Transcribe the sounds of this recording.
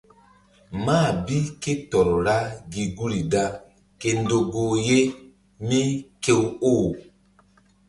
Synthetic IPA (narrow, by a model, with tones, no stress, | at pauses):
maː˦˨bi˦ke˦tɔ˨ɾɔ˨ɾa˦ɡi˨ɡu˦ɾi˨da˦ | ke˨n˦do˨ɡo˨je˦ | mi˦ke˦woː˦˨